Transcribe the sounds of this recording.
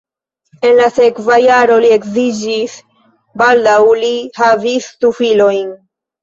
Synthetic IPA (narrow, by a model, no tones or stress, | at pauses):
e̞nlasekvajaɾo̞liekzid͡ʒis | bald̪awlihavist̪ufilo̞jn